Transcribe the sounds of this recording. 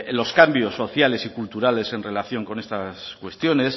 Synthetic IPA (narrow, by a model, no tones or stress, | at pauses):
lo̞skambjo̞sːo̞θjale̞sikult̪uɾale̞se̞nre̞laθjo̞ŋko̞ne̞st̪askwe̞st̪jo̞ne̞s